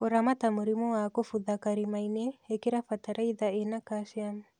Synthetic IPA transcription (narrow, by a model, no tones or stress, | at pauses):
oɾamatamuɾimowakofuðakaɾimajneekeɾafataɾaiðaenakaʃiamu